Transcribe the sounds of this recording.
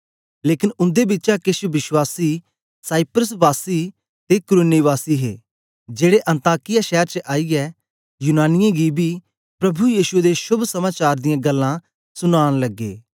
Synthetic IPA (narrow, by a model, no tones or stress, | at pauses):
leːkɪnʊ̃nd̪ebɪtːt͡ʃakɪʃʋɪʃwaːsiː | saːɪpɾəs̬ʋaːsiː | t̪ekʊɾʊnːiʋaːsiːɦḛː | d͡ʒeːɽeʔɐ̃nt̪aːkɪjaʃɛːəɾt͡ʃəʔaːiːɛː | junaːnɪjãɡibiː | pɾɐbujiːʃʊeːd̪eʃʊbsɐmaːt͡ʃaːɾd̪ɪjãːɡɐlːãː | sʊnaːɽ̃lɐɡːḛː